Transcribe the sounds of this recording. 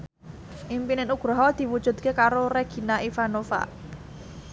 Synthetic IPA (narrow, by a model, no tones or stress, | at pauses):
ʔimpinɪnuɡ̥ɾɔɦɔd̪̥i̤wud̥ʒ̥ṳd̪̚kekaɾoɾeɡ̥i̤naʔifanofa̰